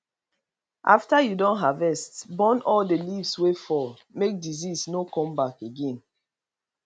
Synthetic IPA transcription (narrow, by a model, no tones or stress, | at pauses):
ʔaftajudɔ̃nɦavɛstbɔ̃nɔldelivswefɔl | mek̚dizisnokɔ̃mbakeɡẽn